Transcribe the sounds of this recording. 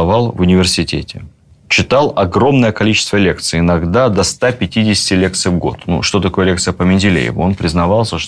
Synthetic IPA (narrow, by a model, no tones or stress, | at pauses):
vɑlˠvʊnʲɪvʲɪrsʲɪtʲetʲɪ | t͡ɕɪt̪alˠɐɡɾo̞mnəjəkɐlʲit͡ɕɪ̥st̪vəlʲekt̪sɨjɪnɐɡd̪ad̪ɐst̪apʲɪtʲidʲɪsʲɪ̥tʲɪlʲek̚t̪sɨjvɡo̰t̪nṵʂt̪o̞t̪ɐko̞jəlʲekt̪sɨjəpəmʲɪnʲdʲɪlʲḛjɪ̰vʊ̰o̞npɾʲɪznɐvɑlˠsʲəʂ